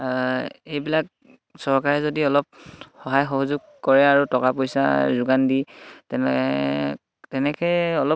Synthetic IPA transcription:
ejbilak̚ | sɔɹkaɹɛzodiɔlɔp̚xɔɦajxɔɦɔzʊɡ̚ | kɔɹɛaɹutɔkapojsa̰zʊɡanditɛ | tɛnɛkɛjɔlɔ

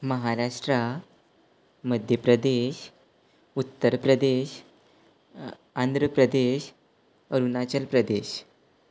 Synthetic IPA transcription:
məɦaɾaʂʈɾa | məd̪ʱjəpɾəd̪eɕ | ut̪ːəɾpɾəd̪eɕ | and̪ʱɾəpɾəd̪eɕ | əɾunat͡ɕəlpɾəd̪eɕ

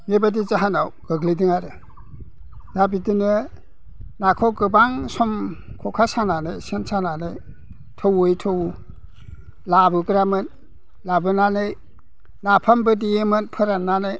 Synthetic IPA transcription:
mebadizaɦanawɡ̥ɯɡlidɯŋaɾɯ | jabidɯnɯ | nakʰɔɡɯbaŋsɔm | kʰɔkʰasananɯjsensananɯj | tʰɔwɯjtʰɯw | labɯɡɾamɯn | labɯnanɯj | napʰambɯdiemɯnpʰɯɾanːanɯj

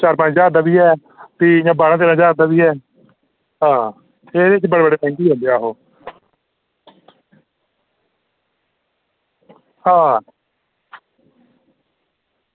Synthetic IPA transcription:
t͡ʃaːɾpãːd͡ʒd͡ʒaːd̪aːbiːɦɛː | t̪iːjãːbaːɽãt̪eːɾãːd͡ʒaːɾd̪aːbiːɦɛː | ɦãː | eːɾet͡ʃbəɽeːbəɖeːt̪ʰɛ̃ːŋkjiːɦõːnd̪eaːɦoː | hãː

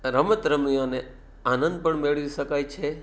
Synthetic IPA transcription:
ɾəmət̪ɾəmijone | anənd̪̚pəɳmeɭʋiʃəkajt͡ʃʰe

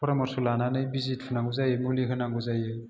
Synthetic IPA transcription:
pʰɔɾamɔɾsulananɯjbizit̚pʰɯnaŋɡuzajɯmuliɦɯnaŋɡuzaje

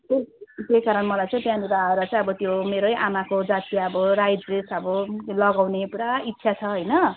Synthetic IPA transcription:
kek̪ejkaɾʌnmʌlajt͡sʌ̃ĩb̪janibaʌɾat͡sʌ̃j̃ʌbʌt̪jomeɾojʔamakod͡zat̪ijʌbʌɾajd͡zresʌbʌlʌɡawnepuɽait̪ːsʰjat͡sʰʌɦʌjnʌ

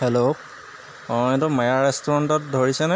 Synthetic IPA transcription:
hɛlo | ɔ̃ɛtʊmajaɹɛstɔɹɔntɔt̚dʱoɹisɛnɛ

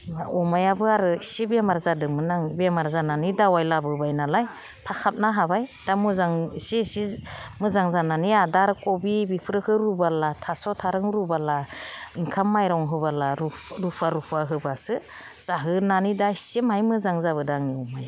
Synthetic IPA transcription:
aɔmajabɯaɾɯsibemaɾzadɯmɯnaŋbemaɾzananidawajlabɯbajnalaj | pʰakʰap̚naɦabajd̥amɯzaŋsisimɯzaŋzananiadaɾkɔbibipʰɾɯhʰɯɾubalatʰasɔtʰaɾɯŋɾubalaiŋkʰamːajɾɔwŋɦɯbalaɾu | ɾupʰaɾupʰaɦɯbasɯ | z̥aɦɯnanidaisimajmɯzaŋzaβɯdaŋniɔmaja

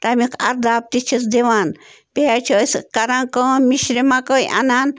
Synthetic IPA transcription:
t̪amiqaɾd̪ap̚t̪it͡ʃis̬d̪ewan | peat͡ʃoskaɾaŋkomiʃɾemakojʔa̰nan

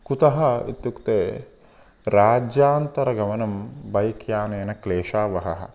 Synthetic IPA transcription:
kut̪ɐɦɐḭt̪jukt̪eː | ɾaːd͡ʒjaːnt̪ɐɾɐɡɐmɐnɐmbɐjkʰjaːneːnɐkleːʃaːʋɐɦɐɦɐ̰̆

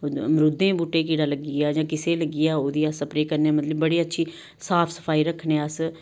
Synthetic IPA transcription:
mɾʊd̪ẽːbuːʈeːkiːɽaːləɡɪjaːd͡ʒãːkɪseːləɡɪjaːoːd̪iːəsəpɾeːkəɾneːmət̪ləbːəɽiːətːʃʰiː | saːpʰsə̥pʰaːiːɾəkʰːneːəs

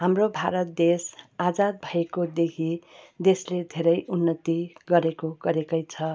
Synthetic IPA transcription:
ɦamrobʱaɾʌt̪̚d̪esad͡zad̪̚bʱʌekod̪ekʰid̪esled̪ʱeɾʌjʔunːʌt̪iɡʌɾekoɡʌɾekʌjt͡sʰʌ

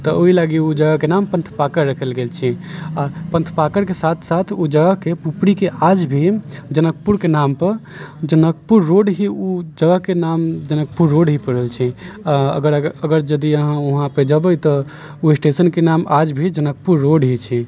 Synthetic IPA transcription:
t̪ɔoɦilaɡiud͡ʒəɡakenampə̃nt̪ʰpakəɾːəkʰəlɡelt͡ʃʰiapə̃nt̪ʰpakəɾkesat̪ʰsat̪ʰud͡ʒəɡəɦkepupɽikeʔad͡ʒbʱid͡ʒənəkpuɾkenampəɾd͡ʒənəkpuɾːoɖɦiud͡ʒəɡəɦkenamd͡ʒənək̚puɾːoɖɦipəɽəlt͡ʃʰiaə̰ɡəɾəɡəɾd͡ʒəd̪iəɦãuɦãped͡ʒəbəjt̪ɔ | uesʈesənkenamad͡ʒbʱid͡ʒənək̚puɾːoɖɦit͡ʃʰi

